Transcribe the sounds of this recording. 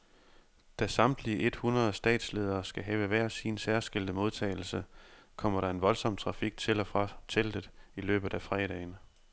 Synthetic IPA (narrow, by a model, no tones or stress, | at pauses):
d̥æsɑ̈md̥liəʔe̝d̥hunʁɐðˠsd̥ɛ̰ːd̥sle̝ːð̞ˠɐːsɡ̥æɦɛːʊəʋæɐ̰sinsæɐsɡ̥e̝ld̥əmo̝ð̞ˠt͡sʰɛ̰ːɪl̩səkʰɒ̽m̰ɐɾɑ̈e̝nʋɒ̽lsɒ̽m̰t͡sʰʁɑ̈fiɡ̥̚t͡sʰe̝lɒfʁɑt͡sʰeld̥əð̩ˠilø̰ːb̥ð̩ˠæfʁɛːɾ̥ɛ̰ːn